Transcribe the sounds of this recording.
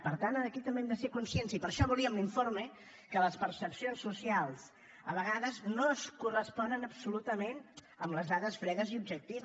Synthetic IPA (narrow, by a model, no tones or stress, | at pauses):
pəɾt̪anəkit̪əmbeɛmd̪əsekunsiɛnsipəɾʃɔβulˠiəmliɱformə | kələspəɾsəpsionsːusialˠs | əβəɣaðəznoəskurəspɔnənəpsulut̪əmen | əmləzðaðəsfɾɛɣəziubʒək̚t̪iβ